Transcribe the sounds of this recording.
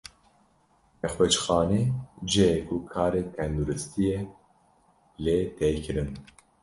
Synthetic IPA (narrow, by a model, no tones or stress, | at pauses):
ɛxwɛt͡ʃxɑːned͡ʒekʰukʰɑːɾeːt̪ʰɛnd̪uɾɨst̪ʰije | leːt̪ʰɛjkʰɨɾɨn